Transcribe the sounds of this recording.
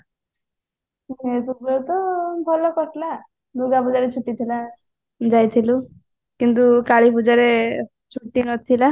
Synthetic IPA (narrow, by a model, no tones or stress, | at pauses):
et̪ubeut̪ɔbʱɔlɔkɔʈʰla | d̪uɡapud͡zaɾet͡ʃʰuʈːit̪ʰila | d͡ʒajt̪ʰilu | kint̪̬ukaɭipud͡ʒaɾe | t͡ʃʰuʈːinɔt̪ʰila